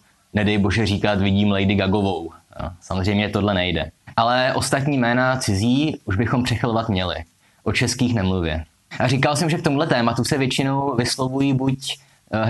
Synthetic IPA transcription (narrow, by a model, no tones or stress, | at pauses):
nɛdɛjbo̞ʒɛriːkat̪vɪɟiːmlɛjdɪɡaɡo̞vowsamozr̝ɛjmɲɛt̪o̞dlɛnɛjdɛ̰ʔalɛʔo̞st̪at̪̬ɲiːmɛːnat͡sɪziːʔuʒbɪxo̞mpr̥ɛxlvat̪mɲɛlɪ̰ | ʔot͡ʃɛskiːxnɛmluvjɛ̰ | ʔariːkalsɛmʒɛk̚t̪omudlɛt̪ɛːmat̪usɛvjɛt͡ʃɪno̞wvɪslo̞vujiːbuc